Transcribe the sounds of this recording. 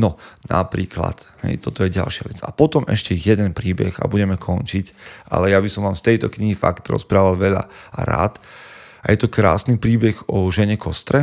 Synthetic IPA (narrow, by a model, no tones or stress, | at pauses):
nɔna̰pɾiːkla̰t̪hɛ̰jt̪ɔt̪ɔjɛɟa̰lʃɪaʋɛt͡sa̰pɔt̪ɔmɛ̰ʃcɛjɛd̪ɛnpɾiːbɛ̰ɣa̰buɟɛmɛkʰɔnt͡ʃicʔa̰lɛjabisɔmʋaːmft̪ɛjt̪ɔkɲiɦifa̰kt̪ɾɔ̰spɾaːʋalʋɛʎa̰a̰ɾa̰ːt̪ | ajɛt̪ɔkɾa̰ːsnipɾiːbɛɣɔʒɛɲɛkɔst̪ɾɛ